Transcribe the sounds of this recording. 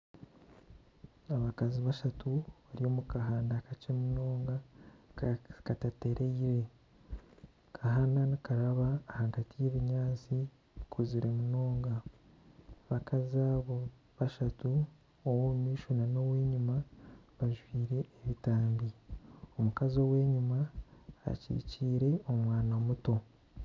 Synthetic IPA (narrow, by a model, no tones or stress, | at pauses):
aβakaziβaʃatuβaɾijo̞ːmukaɦaːndakat͡ʃemuno̞ːŋɡa | katate̞ɾʔeiɾe̞ | kʰaɦaːndanikaɾaβaːhaɡatijeːβiɲaːt͡si | kʰuziɾe̞muno̞ːŋɡa | βakʰazaβo | βaʃatu | owomiːʃunano̞we̞ːɲumaβaʒwiːɾe̞ːβitaːmbiomukazo̞we̞ːɲuma̰ː | cḭciːɾe̞o̞mwaːnamuto̞